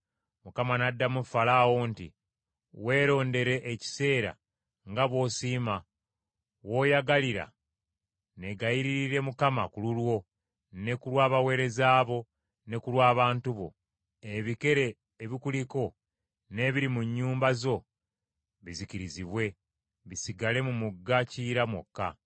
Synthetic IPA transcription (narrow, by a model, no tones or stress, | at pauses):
mukamanadːamufalawontḭ | we̞ːɾo̞ːnde̞ɾe̞ʔeci̥se̞ːɾa̰ | ŋɡaβwo̞siːma | wo̞ːjaɡaliɾa̰ | ne̞ɡajiɾiɾiɾe̞mukamakululwo̞ | ne̞kulwaːβawe̞ːɾe̞zaːβo̞ | ne̞kulwaːβaːntuβo̞̰ | eβike̞ɾe̞ː | βikuliko̞ | ne̞βiɾimuɲːuːmbazo̞ | βiziciɾiziβwe̞ | βisiɡale̞mumuɡːaciːɾamwo̰kːa̰